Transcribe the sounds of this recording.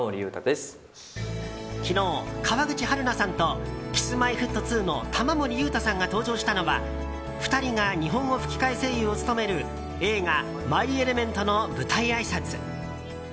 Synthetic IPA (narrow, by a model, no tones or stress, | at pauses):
oɾijɯːt̪ad̪esɨ̥ | kʲino̞ːkʰaβaɡɯ̟t͡ɕihaɾɯ̟nasãnt̪o̞kʲi̥sɨmaiɸɯ̟t̪ːo̞t͡sɨːno̞t̪ʰamamo̞ɾʲijɯ̟ːt̪asãŋɡat̪o̞ːʑo̞ːɕi̥t̪ano̞βa | ɸɯ̥t̪aɾʲiŋaɲ̟iɦõ̞ŋ̃ːo̞ɸɯ̟̥kʲi̥kaise̞ːjɯo̞t͡sɨ̥t̪o̞me̞ɾɯ̟ | e̞ːŋa | maiie̞ɾe̞mẽ̞nt̪o̞no̞bɯ̟t̪aiaisat͡sɨ